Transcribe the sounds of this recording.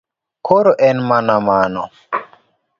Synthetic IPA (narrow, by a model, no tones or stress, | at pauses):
kʰoɾoʔɛnmanamanɔ